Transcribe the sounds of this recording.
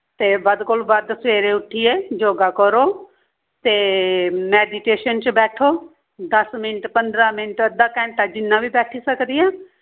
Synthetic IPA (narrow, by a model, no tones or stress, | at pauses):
t̪eːbəd̪koːlbəd̪sʋeːɾeːʊʈʰːiːeːd͡ʒoːɡaːkəɾoː | t̪eːmɛːɖiːʈeːʃənt͡ʃbɛːʈʰoː | d̪əsmɪnʈpənd̪ɾãːmɪnʈəd̪aːkɛ̃ːɳʈaːd͡ʒɪnːãːʋiːbɛːʈʰiːsəkd̪ɪjãː